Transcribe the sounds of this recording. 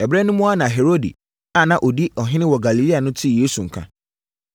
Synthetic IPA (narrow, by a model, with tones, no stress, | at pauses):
ɛ˨bɾɛ˦nʊ̃˦mʊ̃˦a˦nã˨ɦe˨ɾo˦dḭ˨ | a˨nã˨ʔɔ˨di˦ɔ˨ɦɪ̃˦nɪ̃˦wɔ˨ɡa˨li˨li˦a˨nʊ̃˦tʰi˦˨jeː˦su˨ŋ̩˨kʰã̰˦